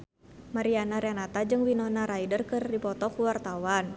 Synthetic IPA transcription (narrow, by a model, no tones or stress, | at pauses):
maɾianaɾenat̪ad͡ʒɨŋwinɔnaɾaidərkɨrdipɔt̪ɔkuwart̪awan